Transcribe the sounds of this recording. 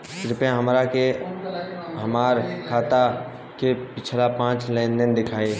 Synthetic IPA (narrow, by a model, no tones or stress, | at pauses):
sɪɾpãɦəmɾake | ɦəmaːɾkʰaːt̪a | kepɪt͡ʃʰlapãːt͡ʃlɛ̃nd̪ənd̪ɪkʰaːe